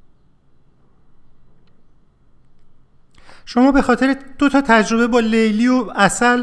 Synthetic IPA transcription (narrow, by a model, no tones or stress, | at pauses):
ʃomɒːbe̞xɒːt̪ʰe̞ɾed̪̥ot̪ʰɒːt̪ʰæd͡ʒɾo̞be̞bɒːlejliːoæsæl